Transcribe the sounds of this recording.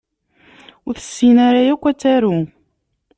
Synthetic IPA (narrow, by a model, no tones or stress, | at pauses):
ʊɾθə̥sːinaɾajækʷːæt͡sːæɾu